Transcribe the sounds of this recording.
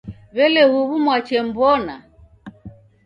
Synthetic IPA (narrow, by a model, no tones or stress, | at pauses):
βɛlɛɣuβumwat͡ʃɛm̩bɔna̰